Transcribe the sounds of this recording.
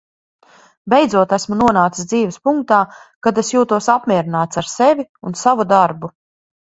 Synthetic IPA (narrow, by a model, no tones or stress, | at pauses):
bɛjd̪zuɔt̪æsmunuɔnaːt̪i̥sd̪ziːvespuŋk̚t̪aːkad̪esjuːt̪uɔsapmʲiɛɾinaːt̪saɾsevʲiunsavud̪aɾbu